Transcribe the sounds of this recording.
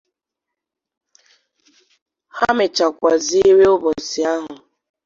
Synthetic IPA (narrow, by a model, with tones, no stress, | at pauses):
ha˦mɪ˨t͡ʃa˨kʷa˨zi˦we˦ʊ˦bɔ˨si˨a˦ɦʊ˨